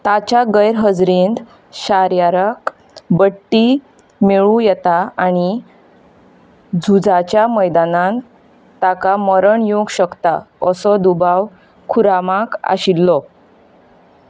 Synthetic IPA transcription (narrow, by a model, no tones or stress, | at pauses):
t̪at͡ɕaɡəjɾɦəd͡zɾind̪ | ɕaɾjaɾək | bəʈːi | meɭũjɛt̪aaɽ̃i | d͡zʱud͡zat͡ɕjaməjd̪anãn | t̪akaməɾəɳjoɡɕəkt̪aəsɔd̪ubaw | kʰuɾamãka̰ɕilːɔ